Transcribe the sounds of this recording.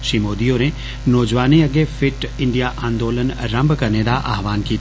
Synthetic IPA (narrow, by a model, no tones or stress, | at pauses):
ʃiːmoːd̪ijoːɾẽ | nɔːd͡ʒʋaːnẽɐɡefɪʈɪ̃ɳɖijaʔaːnd̪oːlənɾɐ̃mbkɐɾneːd̪aʔɐ̰ɦʋaːnkiː